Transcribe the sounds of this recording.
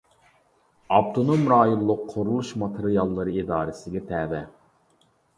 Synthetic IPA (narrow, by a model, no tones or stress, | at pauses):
ɑpt̪ʰonomɾɑːjonlˠʊqʰːoɾulˠuʃmɑt̪ʰeɾijɑlˠːɨɾɨid̪ɑːɾɨsɪɡʲɛt̪ʰɛːvɛ